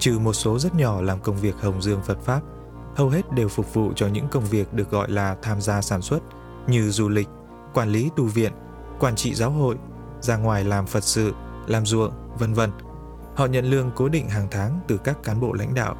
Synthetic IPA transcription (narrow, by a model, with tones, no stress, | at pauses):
t͡ɕɨ˧˩mo˨˩t̚so˨˦zə˦˥t̚ɲɔ˧˩laː˨˩mkə˧wŋ͡mvi˨˩ək̚hə˨˩wŋ͡mzɨ˧əŋfə˨˩t̚faː˦˥p̚ | hə˧wɦe˦˥t̚ɗe˨˩wfʊ˨˩k͡p̚vṵ˧˨t͡ɕɔ˧ɲɨ̰˧˥ŋkə˧wŋ͡mvi˨˩ək̚ɗɨ˨˩ək̚ɣɔ̰˧˨jlaː˨˩t̪ʰaː˧mzaː˧saː˧˩nswə˦˥t̚ | ɲɨ˧zu˧lï˨˩k̟̚ | kwaː˧nli˨˦t̪u˧vḭ˧˨ən | kwaː˧˩nt͡ɕḭ˧˨zaː˨˦wɦo̰˧˨j | zaː˧ŋwaː˨˩jlaː˨˩mfə˨˩t̚sɨ̰˧˨ | laː˨˩mzṵ˧˨əŋ | və˧nvə˧n | hɔ̰˧˨ɲə̰˧˨nlɨ˧əŋko˨˦ɗḭ̈˧˨ŋ̟ɦaː˨˩ŋt̪ʰaː˨˦ŋt̪ɨ˨˩kaː˦˥kːaː˨˦nɓo̰˧˨la̰˧˥jŋ̟ɗa̰ː˧˨w